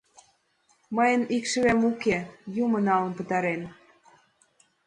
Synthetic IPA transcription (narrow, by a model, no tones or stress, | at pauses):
mɤjə̆nikʃə̆βæmukejumɤ̆nɑlə̆npə̆t̪ɑɾen